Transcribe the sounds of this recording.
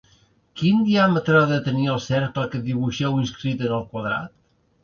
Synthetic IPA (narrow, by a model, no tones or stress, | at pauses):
kind̪iamət̪ɾəðət̪əniəlˠsɛɾkləkəðiβuʃɛwinskɾit̪ənəlˠkwəðɾa̰t̪